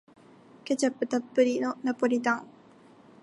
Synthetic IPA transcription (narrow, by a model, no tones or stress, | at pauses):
ket͡ɕapːɯt̪apːɯɾinonapoɾit̪aŋ